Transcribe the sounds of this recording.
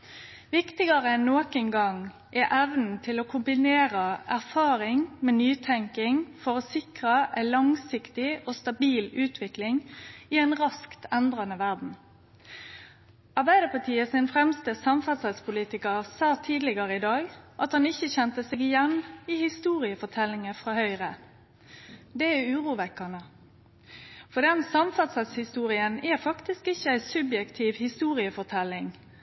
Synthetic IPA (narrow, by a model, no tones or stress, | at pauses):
ʋɪkt̪ɪɡɑʁəɛnːoːkənɡɑŋ | ʔɛʔɛʋnn̩t̪ʰɪlokʰʊmbɪneːʁəʔæʁfɑːʁɪŋmeːnyːt̪ʰɛŋkɪŋfɔʁɔsɪkʁəʔæɪlɑŋsɪkt̪ɪoːst̪ɑbiːlʉːt̪ʰʋɪklɪŋɪɛɪnʁɑskt̪ɛnd̪ʁɑnəʋæʁd̪n̩ | ɑʁbæɪd̪əpɑt̪ʰiːəsɪnfɾɛmst̪əsɑmfɑt̪səspʊliːt̪ɪkəʁsɑːt̪ʰiːd̪lɪɡəʁəɪd̪ɑːɡʔɑt̪hɑnɪçəçɛnt̪əsɛɡɪjɛnːɪhɪst̪uːʁɪəfɔʁt̪ʰɛlːɪŋəfʁɑːhœʏʁə | d̪ɛɛʉːʁuːʋɛkːɑnə | fɔd̪ɛnsɑmfɑt̪sət̪shɪst̪uːʁɪənɛfɑkt̪ɪskɪçːəæɪsʉbjɛkt̪ʰiːʋhɪst̪uːʁɪəfɔʁt̪ʰɛlːɪŋ